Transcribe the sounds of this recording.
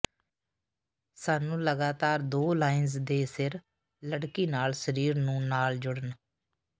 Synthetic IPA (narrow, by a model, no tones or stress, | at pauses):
saːnũːləɡaːt̪aːɾd̪oːlaːɪnzd̪eːsɪɾ | ləɽkiːnaːlsəɾiːɾnũːnaːld͡ʒʊɽən